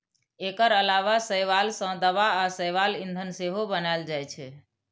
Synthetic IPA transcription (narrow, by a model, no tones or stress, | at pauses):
ekəɾəlaʋasəjʋalsə̃d̪əʋaːsəjʋalind̪ʱənseɦobənaeld͡ʒajt͡ʃʰɛ